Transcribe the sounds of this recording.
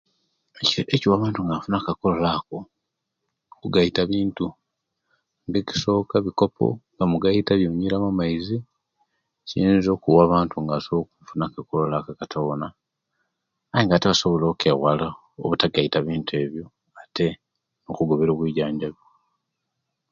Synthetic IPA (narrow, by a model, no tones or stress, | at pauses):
eeciwaːβaːntuŋɡafunakakololako̞ | okuɡaitaβiːntu | ŋɡeci̥so̞ːkaβiko̞pʰo̰ŋɡamuɡaitaβjoɲiɾamamaizi | ciiːnzo̞ːkuwaːβaːntuŋɡasoβokufunakakololakakatʰona | ajiŋɡaːteβaso̞βolokeɣwala | o̰βutaɡaitaβiːntue̞βjo̞ | atʰe̞ | nokuɡo̞βeɾoβwiːɟaːɲɟaβjo